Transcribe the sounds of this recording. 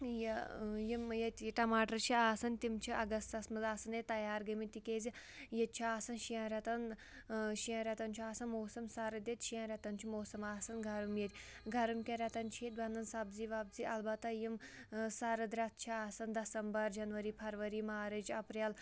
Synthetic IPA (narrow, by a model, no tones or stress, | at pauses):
jjimjɐt̪ʲʈɐmaːʈɐɾt͡ʃʰiaːsɐnt̪imt͡ʃʰiʔɐɡɐst̪sɐsmɨzaːsɐnet̪ɐjaːɾɡɐmit̪ikʲeːzʲijɐt̪̚ʲt͡ʃʰiaːsɐnʃijãːɾʲɛt̪ɐn | ʃijɐ̃ːɾʲɛt̪ɐnt͡ʃʰiaːsɐnmoːsɐmsɐɾɐd̪ʲet̪ʃijãːɾʲɛt̪ɐnt͡ʃʰimoːsɐmaːsɐnɡʱɐɾumjeɾʲ | ɡʱɐɾumkʲeɾʲɛt̪ɐnt͡ʃʰiet̪bɐnɐnsɐbziːʋaːb̚ziʔɐlbɐt̪ɐjimsɐɾɐd̪ɾɐt̪̚ʰt͡ʃʰiaːsɐnd̪ɐsɐmbɐɾd͡ʒɐnʋɐɾiːpʰɐɾʋɐɾimaːɾɨd͡ʒɐpɾel